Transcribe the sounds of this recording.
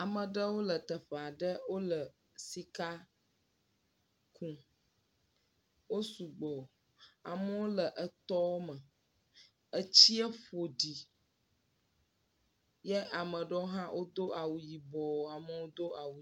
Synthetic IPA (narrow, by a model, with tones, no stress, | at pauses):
a˨mə̃˨ɖə˦wo˦lə˨t̪ə˨ɸə˨a˨ɖə˦wo˦lə˨ | si˦ka˦ | kũ˦ | wo˦su˨ɡ͡bɔ˨ | a̰˨mə˦wo˦lə˨ʔə˨t̪ɔ˦wmə̃˨ | ə˦t͡ɕi˦ə˦ɸo˨ɖi˨ | jɛ˦ʔa˨mə̃˨ɖə˦o˦ɦã˦wʔo˦d̪o˦ʔa˨wu˨ji˨bɔ˨a˨mə˦wo˦d̪o˦a˨wu˨